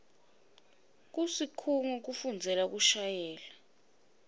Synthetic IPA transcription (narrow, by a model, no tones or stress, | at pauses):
k̬usikʰuŋɔk̬ufund͡zʱɛlak̬uʃajɛːla